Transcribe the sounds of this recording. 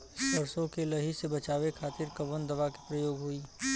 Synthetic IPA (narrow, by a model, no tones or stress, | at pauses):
sbəɾsõkelɐɦisebɐt͡ʃaːʋekʰaːt̪ɪɾkɐʋənd̪ɐʋaki̥pɾɐjoːɡɦuiː